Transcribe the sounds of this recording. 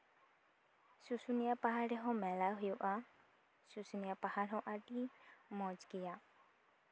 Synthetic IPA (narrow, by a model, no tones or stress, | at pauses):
susunijapaɦaɾɛɦɔ̃mɛlaɦujuʔa | susunijapahaɽɦɔ̃ʔaɖimɔd͡ʒɡɛja